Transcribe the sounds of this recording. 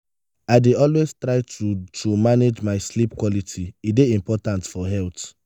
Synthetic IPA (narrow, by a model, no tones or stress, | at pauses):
aɪdeɔlwez̥tɹaɪtutʰumaned͡ʒmaɪslipkwɔlitʰiideĩmpɔtãntfɔɦɛlt